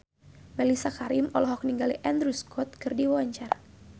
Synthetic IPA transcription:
mɛlisakaɾimɔlɔɦɔk̚niŋɡaliʔand̪ɾuskʰɔt̪̚kɨrdiwawaɲt͡ʃara

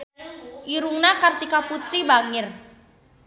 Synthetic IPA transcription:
ʔiɾuŋnakart̪ikaput̪ɾibaŋɪr

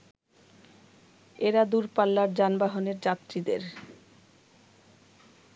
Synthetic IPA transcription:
eɾad̪uɾpalːaɾd͡ʑanbaɦoneɾd͡ʑat̪ːɾid̪ḛɾ

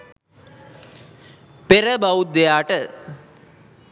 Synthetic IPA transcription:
peɾəbawut̪̚d̪ejaːʈə

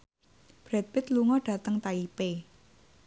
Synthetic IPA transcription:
b̥ɾɛt̪̚pɪt̪luŋɔɖ̥ä̤t̪əŋt̪aipe

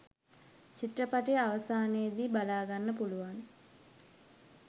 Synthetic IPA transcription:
t͡ʃit̪rəpaʈejaʋəsaːnejəd̪iːbalaːɡanːəpuluʋan

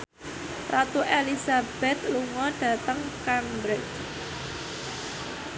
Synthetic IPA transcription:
rat̪uʔelisab̥ɛt̪̚luŋɔɖ̥ä̤t̪əŋkambɾɪt͡ʃ

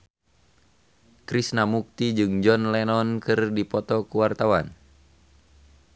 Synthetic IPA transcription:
kɾisnamuk̚t̪id͡ʒɨŋd͡ʒɔnlɛnɔnkɨrdipɔt̪ɔkuwart̪awan

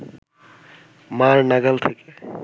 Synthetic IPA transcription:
maɾnaɡəlt̪ʰeke

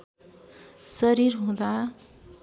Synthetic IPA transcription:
sʌɾiɾɦõd̪a

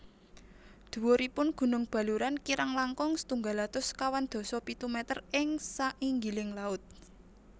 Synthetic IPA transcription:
d̪̥ṳwɔɾipʊnɡ̥ṳnʊŋb̥a̤luɾankiɾʔaŋlaŋkɔŋsə̥t̪uŋɡa̤lat̪ʊskawand̪̥o̤sɔpit̪umɛt̪ərɪŋsaʔiŋɡilɪŋlaʊt̪̚

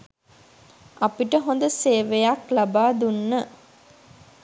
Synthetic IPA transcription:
ʔapiʈəɦond̪əseːʋejaklabaːd̪unːə

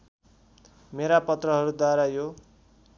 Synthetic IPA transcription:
meɾapʌt̪rʌɦʌɾud̪waɾajo

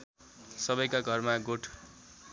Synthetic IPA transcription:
sʌbʌjkaɡʱʌrmaɡoʈʰ

